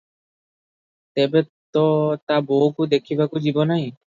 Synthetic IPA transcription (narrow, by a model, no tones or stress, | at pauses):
t̪ɛbet̪ɔt̪abɔkud̪ekʰibakud͡ʒibɔnaɦĩ